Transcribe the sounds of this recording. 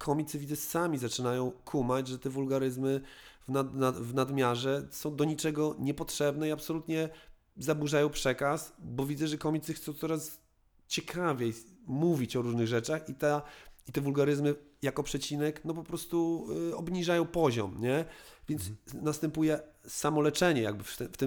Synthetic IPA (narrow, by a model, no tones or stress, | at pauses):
kʰɔmʲit̪sɨvʲidzɛsamʲizat͡ʂɘnajɔ̃w̃kʰumad͡ʑʐɛt̪ɛvulɡaɾɘzmɘvnaavnad̪mʲjaʐɛsɔ̃w̃d̪ɔɲit͡ʂɛɡɔɲɛpɔtʂɛbnɛiapsɔlut̪ɲɛ | zabuʐajɔ̃w̃pʂɛkasbɔvʲid̪zɛʐɛkɔmʲit̪sɘxt̪sɔ̃w̃t̪sɔɾas | t͡ɕɛkʰavʲjejmuvʲit͡ɕɔɾuʐnɘɣʐɛt͡ʂaxit̪ait̪ɛvulɡaɾɘzmɘjakɔpʂɛt͡ɕinɛknɔp̬ɔpɾɔst̪uɔbɲiʐajɔ̃w̃pɔʑɔ̰mɲɛvʲjɛnt̪snast̪ɛmpujɛsamɔlɛt͡ʂɛɲɛja̰ɡ̚bɘft̪ɛft̪ɘ